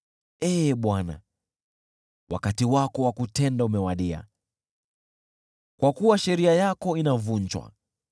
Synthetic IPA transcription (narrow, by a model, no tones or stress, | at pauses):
ɛɓwana̰ | wʔa̰katiwakɔwakutɛndaumɛwaɗia̰ | kwakuwaʃɛɾiajakɔinavuɲt͡ʃwa̰